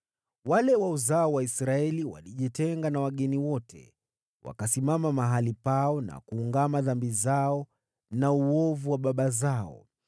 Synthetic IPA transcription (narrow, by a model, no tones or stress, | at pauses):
walɛwauzaɔwaisɾaɛliwa̰liʄitɛŋɡanawaɠɛniwɔtʰɛ̰ | wa̰kasimamamaɦalipaɔna̰kuːŋɡamaðambizaɔ | nauɔvuwaɓaɓazaɔ̰